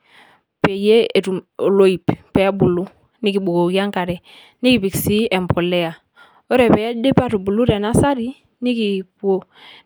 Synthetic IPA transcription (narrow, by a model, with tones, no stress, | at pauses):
pe˨je˦e˨ɾu˨o˨lo˦i˨ppe˨a˦bu˨lu˦ | ni˦ki˨bu˨ɡo˨ɡi˦a˦ŋka˨ɾɛ˨ | ni˦ki˨bi˨ksi˦e˨mpo˨le˦a˨ | o˦ɾe˨pɛ˨˦a˦de˦pa˦tu˨bu˨lu˦ɾe˨na˦sa˦ɾi˦ | ni˦ki˨pu˦o˦